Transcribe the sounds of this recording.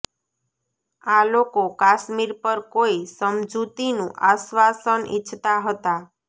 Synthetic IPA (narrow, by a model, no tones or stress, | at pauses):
alokokaʃmiɾpəɾkoisəmd͡ʒut̪inũʔaʃʋasənḭt͡ʃʰt̪aɦət̪a